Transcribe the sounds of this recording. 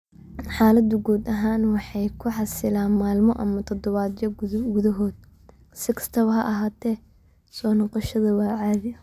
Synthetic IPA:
ħaːlɐd̪ʊɡuːd̪ɐɦaːnwɑħɑjkʰʊħɑsɪlaːnmaːlmɔʔɐmɐt̪ʰɔd̪ɔβaːd̪jɐɡʊðɐɦɔːd̪̚ | sɪkʰɐ̥st̪ʰɐβɐɦɐʔɐɦaːt̪ʰɛː | sɔːnɔqɑʃɐðɐwɑːʕaːðɪɐ

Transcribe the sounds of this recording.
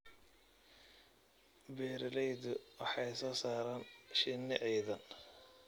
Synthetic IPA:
bɛːɾɐlɛjðʊwɑħɑjsɔːsaːɾaːnʃɪnːɪʔɛjðɐn

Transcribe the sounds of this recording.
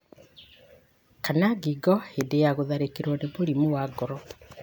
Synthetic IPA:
kanaɡiɡɔhedejaɣoðaɾekeɾwɔneboɾimuwaɡɔɾɔ

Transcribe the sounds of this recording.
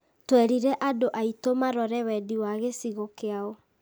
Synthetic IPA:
twɛɾiɾɛʔadoʔaitomaɾɔɾɛwɛdiwaɣesiɣokeaɔ

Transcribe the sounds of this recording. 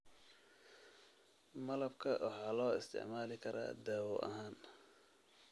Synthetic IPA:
mɐlɐbkʰɐwʔɑħɑːlɔːɪst̪ʰɪ̰ʕmaːlɪkʰɐɾa̰ːd̪aːwɔʔɐ̰ɦaːn

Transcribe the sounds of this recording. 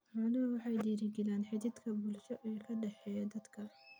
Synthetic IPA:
ħʊːnɐwɑħɑjd̪iːɾɪɡɪlaːnħɪd̪ɪd̪kʰɐbʊlʃɔʔɛːkʰɐɖɛħɛːjɐd̪ɐd̪kʰɐ

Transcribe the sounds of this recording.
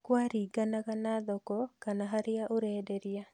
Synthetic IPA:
kwaɾiɡanaɣanaðɔkɔkanaɦaɾɪaʔoɾɛdeɾɪja

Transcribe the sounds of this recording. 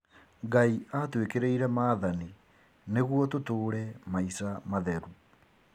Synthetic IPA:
ŋɡaiʔatwekeɾeiɾɛmaːðani | neɣwɔtotoːɾɛmaisamaðɛɾu

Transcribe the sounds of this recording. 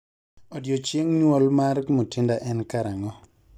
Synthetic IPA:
ɔdjot͡ʃeŋɲwɔlmarkmotʰindaʔɛnkaɾaŋɔ

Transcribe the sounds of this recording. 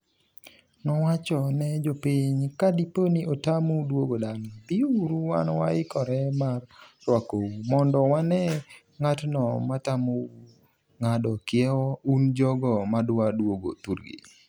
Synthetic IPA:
nɔwat͡ʃɔnɛd͡ʒɔpiɲkadiponiʔotamudwoɡodanapiuɾuwa̰nwaɪkɔɾɛmart͡ʃwakoumɔndɔwanɛ | ŋatnɔmatamo | ŋadɔkɪɛwɔund͡ʒɔɡɔmadwadwoɡo̰tuɾɡḭ

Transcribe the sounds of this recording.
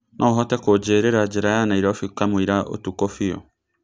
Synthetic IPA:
nʔɔɦɔtɛkod͡ʒeːɾeɾad͡ʒeɾajanaiɾaofikamoiɾao̰tukofiɔ̰

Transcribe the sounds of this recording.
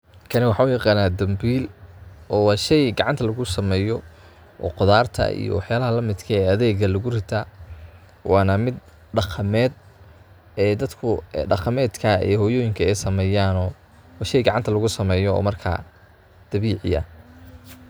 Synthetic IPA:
kʰɐnɪwɑħɑʊjɑqɑːnaːd̪ɐmbiːlʔɔːwɑːʃɛjɡɑʕɑnt̪ʰɐlɐɣʊsɐmɛːjɔ | ʔɔːqʊðaːrt̪ʰɐ̰ḭjɔ̰wɑħjaːlɐɦɐlɐmɪd̪kʰɐɛːɐðɛːɡɐlʊɣʊrɪt̪ʰaː | wɑːnɐmɪd̪̚ | ɖɑqʰɑmɛːd̪̚ | ɛːd̪ɐd̪kʰʊɖɑqɑmɛːd̪kʰɐɛ̰hɔːjɔːjɪŋkʰɐɛjsɐmɛːjaːnɔː | wːʃɛjɡɑʕɑnt̪ʰɐlɐɣʊsɐmɛːjɔ̰ːmɐrkʰa̰ː | d̪̥ɐβiːʕɪ̰jɐ̰

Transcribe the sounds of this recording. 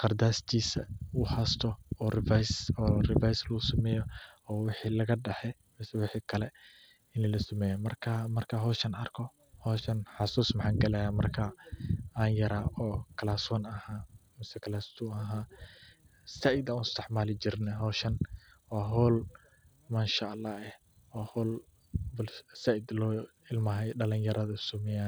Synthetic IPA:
qɑrd̪aːst̪ʰiːsɐuhast̪ʰɔɔːrɪfajsɔːrɪvajslɐʊsɐmɛːjɔɔːwɪħiːlɐɣɐɖɐħɛ | mɛsɛwɪħiːkʰɐlɛ | ɪnilɐsɐmɛːjɐmɐrkʰamɐrkʰɐɦɔːʃɐnɐrkʰɔ | hɔːʃɐnħɑsuːsmɐħaːŋɡɐlɛjaːmɐrkʰɐ | aːnjɐɾaʔɔːkʰɐlaːsɔnɐhaː | mɪsɛkʰɐlaːst̪ʰuɐɦaː | sɐʔɪd̪ɐũnɪst̪ʰɛħmaːlɪd͡ʒɪrnɛɦɔːʃɐnwaːɦɔːl | maːnʃaʔɐlːaːɛh | waːhɔːl | bʊlsaʔɪd̪lɔː | ɪlmɐɦɛjɖɐlɪɲjɐɾɐðɐsʊmɪja

